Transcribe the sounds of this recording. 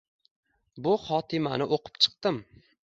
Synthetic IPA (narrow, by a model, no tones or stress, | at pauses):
bʊχɒt̪ʰɪmanɪʔoqʰɨ̥p̚t͡ʃʰɨ̥q̚t̪ɪm